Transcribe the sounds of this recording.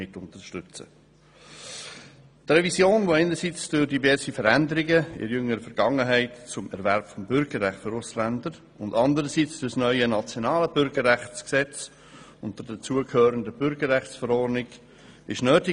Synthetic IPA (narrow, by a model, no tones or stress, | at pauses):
ɪtʊntəʃtʏt͡sə̰ | trɛvisjoːnvoɛɪnəɾsit͡sd̥ʊɾdivɛɾsifəɾændəɾɪɡəɪ̰ɾjʏŋəɾəfɛɾɡ̥ɑŋəɦæɪtt͡sʊmɛɾvæɾpfɔmbʏɾɡəɾʁæχtføɾʊslændəɾ | ʊndɑndəɾəsit͡sd̥ʊsnœʏənɑt͡sjonɑːləbʏɾɡəɾʁæχt͡sksɛt͡s | ʊntd̥̪ʊdat͡suəkʰhøːɾəndəb̥ʏɾɡəɾːæχsfəɾɔɾnɪɡ̥ | ɪʃnøːtɪ